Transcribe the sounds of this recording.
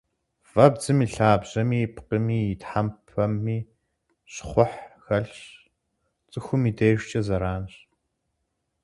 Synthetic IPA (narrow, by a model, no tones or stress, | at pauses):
v̥ɐbd͡zɨmiːɬaːbʑɐmiːpʰqəmiːɪtħampʰɐmːiː | ɕχʷʊħxɐɬɕ | t͡sʼɨxʷʊmiːdeːʒʷt͡ʃʼɐzɐɾaːnɕ